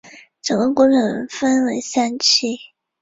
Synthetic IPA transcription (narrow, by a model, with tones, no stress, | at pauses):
ʈ͡ʂɤ˨˩ŋɡə˧˥kwɔ˧˥ɻə˨˩fə˥nwe˧˥ɪsa˥nt͡ɕʰi˥˩